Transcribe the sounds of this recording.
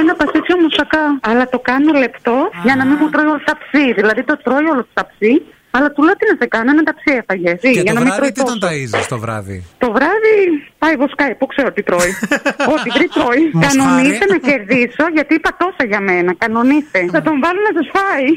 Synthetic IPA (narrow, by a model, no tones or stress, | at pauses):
enɐpɐsisçomust̪ɐkɐɐlɐt̪o̞kɐno̞le̞pt̪o̞ʝɐnɐmimut̪ɾoio̞lot̪ɐpsiðilɐðit̪o̞t̪ɾo̞jolost̪ɐpsi | ɐlɐt̪uleot̪inɐsekɐnoenɐd̪ɐpsiefɐʝesiʝɐnɐmit̪ɾoit̪osɐzɐst̪ovɾɐ̰ðḭt̪o̞vɾɐðipɐjvoskɐjpokseɾot̪it̪ɾo̞io̞t̪ivɾit̪ɾo̞ikɐno̞nist̪enɐce̞ɾðiso̞ʝɐt̪iipɐt̪o̞sɐʝɐme̞nɐkɐno̞nist̪e̞θɐt̪o̞ɱvɐlonɐsɐsfɐi